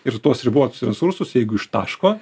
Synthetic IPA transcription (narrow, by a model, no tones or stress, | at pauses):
ɪɾt̪oɔsɪɾɪbuʋɔt̪osʲt̪ʲɾʲɛnsʊɾsʊsjɛɪɡʊɪʃt̪ɑ̰ːʃkoː